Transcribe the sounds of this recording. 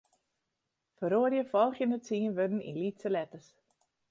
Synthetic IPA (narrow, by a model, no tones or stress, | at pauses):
fəɾoərjəfɔlˠxjənət͡siənʋødn̩ḭnlitsəlɛtəs